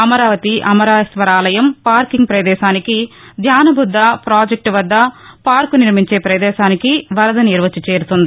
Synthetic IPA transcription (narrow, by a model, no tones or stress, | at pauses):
ɐmɐɾaːʋɐt̪iʔɐmɐɾaːjɐsʋɐɾaːlɐjɐmpaːɾkiŋɡ̚pɾɐd̪ɛːʃaːnikid̪ʱjaːnɐbʱud̪ʱːɐpɾaːd͡ʒek̚ʈʋɐd̪ːɐpaːɾkuniɾmiɲt͡ʃeːpɾɐd̪ɛːʃaːnikiʋɐɾɐd̪ɐniɾʋɐt͡ʃut͡ʃe̞ːɾut̪und̪i